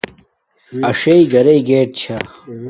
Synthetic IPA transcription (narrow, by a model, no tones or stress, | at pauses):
ɐʂeiɡɐɾeiɡeːʈ̚t͡ɕʰa